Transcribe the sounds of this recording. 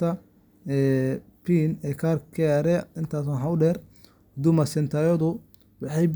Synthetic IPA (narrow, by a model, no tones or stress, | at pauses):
t̪ʰɐ | ɛː | pʰiːnɛːkʰaːrkʰɛɾɛɪnt̪ʰaːs̬ʊnɦɐʊɖɛːr | d̪ʊmɐsɛnt̪ʰaːjɔðʊ | wɑħɑjb